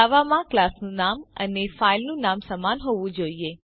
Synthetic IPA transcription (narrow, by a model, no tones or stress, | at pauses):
aʋamãklasnũnamə̰nefailnũnamsəmanɦoʋũd͡ʒoie